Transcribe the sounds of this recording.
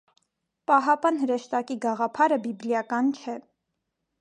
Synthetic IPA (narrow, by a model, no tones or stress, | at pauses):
pɑɦɑpɑnhəɾəʃt̪ɑkiɡɑʁɑpʰɑɾəbibljɑkɑnt͡ʃʰɛ